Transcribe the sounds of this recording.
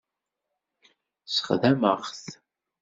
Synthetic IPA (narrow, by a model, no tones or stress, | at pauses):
sə̥χðæməʁθ